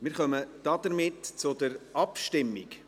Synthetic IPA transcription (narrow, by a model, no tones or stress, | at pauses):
mɪːɾχœməd̪̥ɑd̥̪əɾmɪtt͡sʊd̪əɾɑpʃtɪmːik